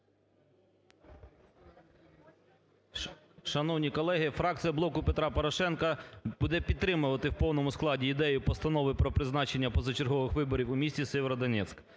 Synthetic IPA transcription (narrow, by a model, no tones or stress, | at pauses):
ʃɐnɔwnʲikɔlˠɛɦɪfɾɑk̚t̪sɨjɐblˠɔkʊpet̪ɾɑpɔɾɔʃɛnkɐb̥ud̪ɛpʲid̪ːɾɪmʊʋɐt̪ɪwpɔwnɔmʊsklˠɑdʲiːd̪ɛjʊpɔst̪ɐnɔʋɪpɾɔpɾɪznɑt͡ʃenʲːɐpɔzɐt͡ʃerɦɔʋɪxʋɪbɔɾʲiwʊmʲisʲtʲisɛʋeɾɐd̪ɐnʲɛt̪sk